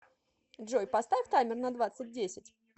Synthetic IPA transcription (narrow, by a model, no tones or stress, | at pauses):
dʐojpɐst̪avʲɪft̪amʲɪrnɐd̪vat̪sɨt̚ʲdʲesʲɪtʲ